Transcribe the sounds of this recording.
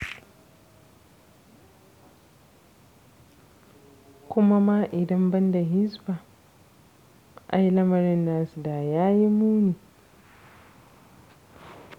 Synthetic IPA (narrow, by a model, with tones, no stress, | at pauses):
kʷʊ˦ma˦ma˦ʔɪ˨dɐ˦mbɐ˦nda˨ɦɪ˦zba˨ | ʔa̰˦jlɐ˦mɐ˨ɾɪ˦nːaː˦su˨daː˨jaː˦ji˦muː˦niː˨